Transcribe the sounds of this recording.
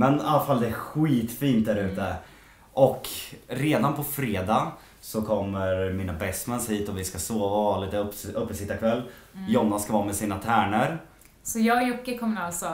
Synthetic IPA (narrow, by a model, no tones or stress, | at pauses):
mɛnalːafald̪ɛæɾɧiːt̪fiːnt̪̚d̪æːɾʉ̟ːt̪ə | ʔɔkɾeːd̪anpʰɔfɾeːd̪a | sɔkʰɔmːəɾmiːnabɛsmɛnshiːt̪ɔvɪskasoːvaliːt̪əɵpːəsɪt̪ːakʰvɛlː | jɔnːaskavɑːmɛsiːnat̪ʰæːɳəɾ | sɔjɑːjʊkːəkʰɔmːnalsɔ